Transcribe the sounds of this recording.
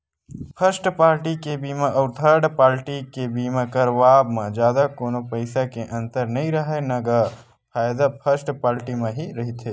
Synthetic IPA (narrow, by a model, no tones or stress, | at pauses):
pʰəɾsʈpaːɾʈikebimaʔɔːɾt̪ʰəɾɖpaːɾʈikebimãkəɾʋaːbmẽd͡ʒjaːd̪akoːnopəɪsakeʔə̃nt̪əɾnəĩɾəɦenɐɡa | pʰaːjd̪apʰəɾsʈpaːɾʈimẽɦiɾəɦit̪ʰe